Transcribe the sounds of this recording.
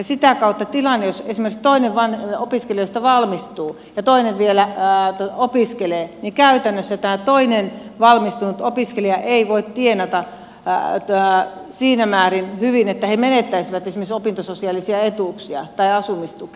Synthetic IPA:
jɑsit̪ækɑut̪ːɑt̪ilɑnːejosesimerkst̪oineʋʋɑnopiskelejost̪ɑʋɑlmist̪uː | jɑt̪oineʋʋielæt̪opiskeleːnikæyt̪ænːøsːæt̪æːt̪oinenʋɑlmist̪unut̪opiskeliɑʔeiʋoit̪t̪ienɑt̪ɑ | siːnæmæːrinhyʋinet̪ːæhemenet̪ːæisiʋæt̪esimeriksopint̪ososiɑlisiɑet̪uˑksiɑ̰t̪ɑiɑsumist̪uki̥

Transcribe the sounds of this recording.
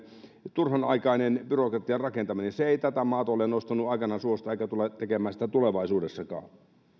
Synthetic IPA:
t̪urhɑnɑ̰ikɑinenb̥yrokrɑt̪ːˑiɑrɑkent̪ɑmineseeˑit̪æt̪æmɑːt̪ɑolenost̪ɑnuɑikɑnɑsuost̪ɑeˑikæt̪ulːɑtt̪ekemæːsi̥t̪æt̪uleʋɑisuːdesːɑkɑ̰ː

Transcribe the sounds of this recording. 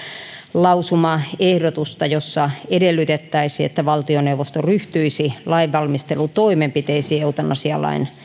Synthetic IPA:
lɑusumɑehdot̪ust̪ɑjosːɑedelːyt̪et̪ːæisiḛt̪ːæʋɑlt̪ioneuʋost̪oryht̪yisilɑiʋːɑlmist̪elut̪oimempit̪eisieut̪ɑnʔɑsiɑlːˑɑ̰in

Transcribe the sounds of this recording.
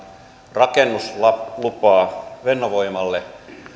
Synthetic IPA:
rɑkenːusɑlupɑːʋenːoʋoimɑlːe

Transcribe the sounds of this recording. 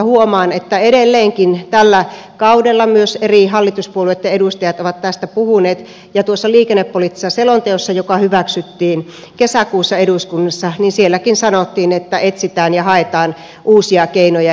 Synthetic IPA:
huomɑːnet̪ːæeɾelːeːŋkint̪ælːæ | kɑudelːɑmyøserihɑlːit̪uspuoluet̪jɑedust̪ɑjɑt̪oʋɑt̪t̪æst̪æpuhuneːt̪ | jɑt̪uosːɑliːkenːepːolit̪ːisːɑselont̪eosːɑjokɑhyʋæksyt̪ːiːn | kesækuːsːɑeduskunːɑsːɑninsielːækinsɑnot̪ːiːnet̪ːæʔet̪sit̪æːnjɑhɑet̪ɑːn | ʔuːsiɑkeinojɑ

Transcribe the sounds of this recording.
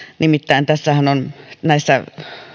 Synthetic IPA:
nimit̪ːæint̪æsːæhænonnæisːæ̰

